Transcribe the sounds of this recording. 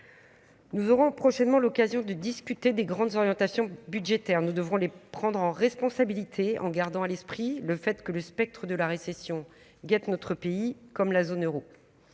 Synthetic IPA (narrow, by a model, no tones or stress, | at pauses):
nuzɔʁɔ̃pχɔʃɛnmɑ̃lɔkazjɔ̃d̪əd̪iskʲyt̪ed̪eɡʁɑ̃d̪zɔʁjɑ̃t̪asjɔ̃byd̪ʒet̪ɛʁnud̪əvʁɔ̃lepχɑ̃d̪ʁɑ̃ʁɛspɔ̃sabilit̪ʰeɑ̰̃ɡaʁd̪ɑ̃alɛspχiləfɛt̪kələspɛk̚t̪χəd̪əlaʁesesjɔ̃ | ɡat̪nɔt̪χəpeikɔmlazonøʁo